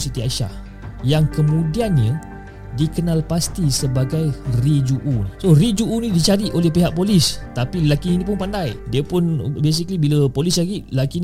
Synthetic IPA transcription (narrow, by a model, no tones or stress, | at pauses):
sit̪iaʃa̰h | jaŋkəmũdianɲə | dikənalpast̪isəbaɡajrid͡ʒuʔunisorid͡ʒuʔunĩdit͡ʃaɾiʔolɛhpiɦaʔ̚polist̪apilakininip̬ʊnpandajdiəpʊnbes̬ikəlibiləpolislaɡilakin